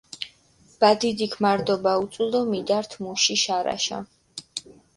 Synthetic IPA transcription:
b̥ad̪id̪ikʰmaɾd̪ɔbaut̪sʼulˠɔmid̪aɾt̪ʰmuʃiʃaɾa̰ʃa̰

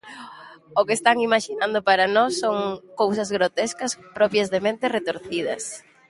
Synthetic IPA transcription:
ʊkest̪aŋimaʃinãnd̪ʊpaɾɐnɔsːoŋkowsɐzɣɾot̪eskɐspɾɔpjɐzðemẽnt̪ɪret̪oɾθið̞ɐs

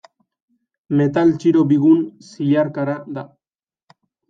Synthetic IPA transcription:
me̞t̪alt͡ʃiɾo̞biɣunsiʎaɾkaɾad̪a

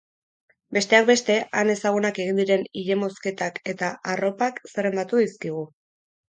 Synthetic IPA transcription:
be̞st̪e̞ak̚be̞st̪e̞ane̞saɣ̞unake̞ɣ̞ind̪iɾe̞niʎe̞mo̞ske̞t̪ake̞t̪aʔaro̞pakse̞re̞nd̪at̪uðiskiɣ̞u

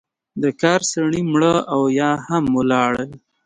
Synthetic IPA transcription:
d̪əkɑɾsaɳimɽəawjɑhamːulɑɽəl

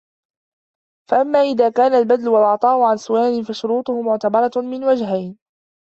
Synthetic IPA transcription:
faʔamːaːʔɪðaːkaːnalbad̪lʊwalʔɑʕt̪ˤɑːhʊʕansʊwaːnɪfaʃʊɾuːt̪ˤʊhʊmʊʕt̪abɑɾˤɑmɪnwad͡ʒɦajn

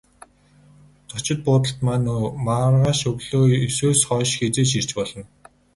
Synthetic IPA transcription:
t͡sɔt͡ɕɪ̆t̪̚pʊːt̪ə̆ɬt̪manoːmarʁaːʃɵɣɮoːesuːsχɔːʃxet͡seːʃ̬ir̥t͡ɕpɔɮɞ̆n

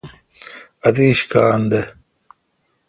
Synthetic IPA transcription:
ɐt̪iːɕkaːnd̪e

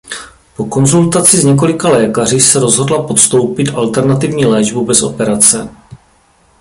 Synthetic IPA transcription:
po̞ko̞nzult̪at͡sɪzɲɛk̬o̞lɪkalɛːkarɪsɛɾo̞zɦodlapo̞t̪st̪o̞wpɪt̪ʔalt̪ɛɾnat̪ɪvɲiːlɛːʒbubɛso̞pɛɾat͡sɛ

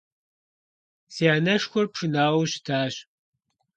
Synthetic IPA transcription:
siːanɐʂxʷɔrpʂɨnaːwɕɪ̥tʰaːɕ

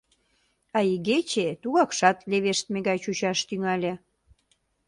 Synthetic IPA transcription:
ɑiɣet͡ɕet̪uɣɑkʃɑt̪leβeʃt̪̚meɣɑjt͡ɕut͡ɕɑʃt̪yŋɑlʲe

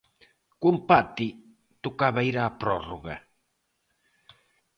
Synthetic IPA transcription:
kumpat̪i | t̪ukaβajɾaːpɾɔroɣa

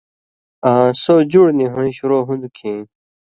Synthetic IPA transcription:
ãːsod͡ʑuɽnĩɦuɽ̃iɕuɾoːɦũnd̪ukʰĩ

